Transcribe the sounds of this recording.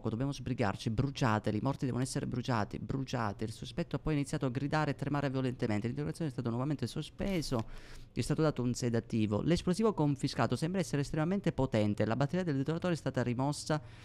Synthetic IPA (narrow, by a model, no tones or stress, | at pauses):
kod̪objamozbɾiɡa̰rt͡ʃibɾut͡ʃaːt̪elimɔrt̪id̪ɛːvonɔɛsːeɾḛbɾut͡ʃa̰ːt̪ḭbɾut͡ʃa̰ːt̪eilsospɛt̪ːoapːɔjinit̪sːjaːt̪oaɡɾid̪aːɾeet̪ːɾemaːɾevjolent̪ement̪elint̪eɾɡɾat̪jonɛst̪aːt̪onwɔvament̪esospɛːzoɛst̪aːt̪od̪aːt̪ounsɛd̪at̪ːiːvo̰lesplosiːvokoɱfiska̰ːt̪osɛmbɾaɛsːeɾeːst̪ɾemament̪epot̪ɛnt̪elabat̪ːeɾijad̪eld̪et̪oɾat̪oːɾeɛst̪aːt̪aɾimɔsːa